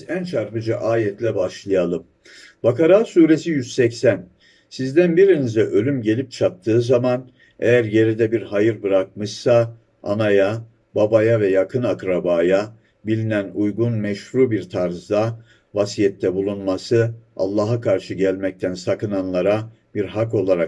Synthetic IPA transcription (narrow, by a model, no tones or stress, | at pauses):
ænt͡ʃʰaɾpɯd͡ʒaʔaːjɛt̪lʲɛbaʃlˠɯjalˠɯm | bakaɾaːsuːɾe̞sijyz̥sɛcsæn | sizd̪ænbiɾinizd̪ɛʔø̞lʲymɟe̞lʲip̚t͡ʃʰap̚t̪ʰɯːzaman | ḛjæɾje̞ɾid̪ɛbiɾhajɯɾbɯɾak̚mɯʃsa | a̰naja | babajavɛjakʰɯnakɾabaːja | bilʲinænujɡunmɛʃhɾuːbiɾt̪ʰaɾzd̪a | vasijɛt̪ʰːɛbulˠunmasɯa̰lˠːaːɦakʰaɾʃɯɟælʲmɛc̚t̪ʰænsakɯnanlˠaɾa | b̥iɾɦako̞lˠaɾak